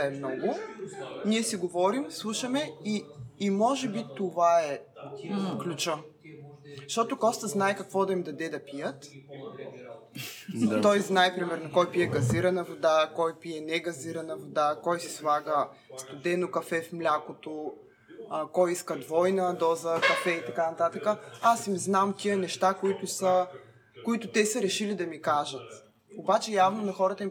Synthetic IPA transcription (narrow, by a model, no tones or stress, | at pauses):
ɛmnɔɡʊ | niɛsiɡovɔɾimslˠuʃɐmɛiːmɔʒɛbit̪ovaɛ | klʲut͡ʃə | ʃt̪ɔt̪ʊkɔst̪əznaɛkɐkvɔd̪ɐimd̪ɐd̪ɛd̪ɐpijət̪ | t̪ɔjznaɛpɾimɛɾnɐkɔjpiɛɡɐziɾɐnəvod̪akɔjpiɛnɛɡɐziɾənəvod̪akɔjsɛ̥slˠaɡə | st̪ʊd̪ɛnokɐfɛfmlʲakot̪o | kɔjiskəd̪vɔjnəd̪ɔzəkɐfɛit̪ɐkanɐt̪at̪əkəasimznamk̪ʲijənɛʃt̪akoit̪ʊsə | koit̪ʊt̪ɛsəɾɛʃilid̪ɐmikaʒət̪ | obat͡ʃɛjavnonɐxɔɾət̪əim